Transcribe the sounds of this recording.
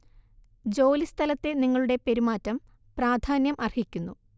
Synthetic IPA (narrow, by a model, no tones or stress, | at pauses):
d͡ʑo̞ːlist̪ʰɐlɐt̪ːe̞niŋːɐɭuɽe̞peɾimaːtːɐm | praːd̪ʱaːnjɐmʔɐrhikʲːunːu